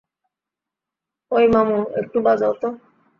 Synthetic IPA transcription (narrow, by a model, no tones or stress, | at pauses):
ojmamuḛk̚ʈubad͡zawt̪ɔ